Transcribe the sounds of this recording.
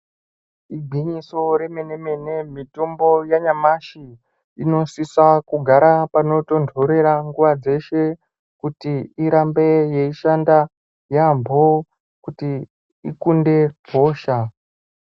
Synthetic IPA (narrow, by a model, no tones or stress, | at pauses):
iɡʱiɲiso̞ɾe̞me̞ne̞me̞ne̞mito̞mbo̞jaɲamaʃi | ino̞sisakuɡʱaɾapano̞to̞ndʱo̞ɾe̞ɾaŋɡuʋad͡ze̞ʃe̞ | kutiiɾambe̞je̞iʃanda | jambʱo | kuti | ikunde̞b̥ʱo̞ːʃa